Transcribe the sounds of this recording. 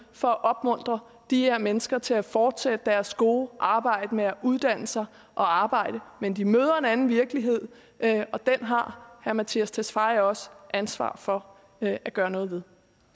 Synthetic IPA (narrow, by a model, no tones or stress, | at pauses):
fɒ̽æʔɒ̽b̥mɔ̽n̰d̥ʁɐ | d̥iheɐ̰menəsɡ̥ɐt͡sʰe̝læfɒːd̥sed̥əd̥æɐsɡ̥o̝ːʔɑ̈ːb̥ɑ̈ɪ̰d̥əmeæʔuð̞ˠd̥æn̰əsɑ̈ɪ | ʔɒ̽ɑ̈ːb̥ɑ̈ɪ̰d̥əmend̥imøːð̞ˠɐe̝nænn̩ʋiɐɡ̥əliɦe̝ð̞̰ˠ | ɒ̽d̥enɦɑ̈hæɐmæt͡sʰiæst͡sʰesfɑ̈ɪɒ̽səʔænsʋɑ̰̈ːfɒ̽ | æɡ̥ɶːɐnɔ̽ːð̞ˠʋe̝ð̞ˠ